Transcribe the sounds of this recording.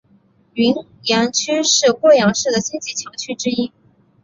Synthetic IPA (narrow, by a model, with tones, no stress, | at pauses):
y˧˥n | jɑ˧˥ŋt͡ɕʰy˥ʂɻ̩˥˧kwɔ˥˩jɑ˧˥ŋʂɻ̩˥˩d̪ə˩ɕi˥nt͡ɕi˥˩t͡ɕʰjɑ˧˥ŋt͡ɕʰy˥ʈ͡ʂɻ̩˥i˥